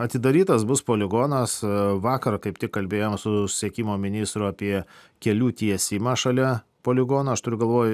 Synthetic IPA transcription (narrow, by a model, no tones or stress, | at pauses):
ɐt̪ʲɪd̪ɐɾʲiːt̪ɐsbʊspoːlʲɪɡoːnɐsʋɑːkɐɾɐkɐɪpt̪ʲɪkkːɐlʲbʲeːjoːmsʊssʲiɛkʲiːmoːmʲɪnʲɪst̪ɾʊɑːpʲiɛ | kʲɛlʲuːt̪ʲiɛsʲimɑːʃɐlʲɛ | poːlʲɪɡoːnɐɐʃt̪ʊɾʲʊɡɐlˠʋoːj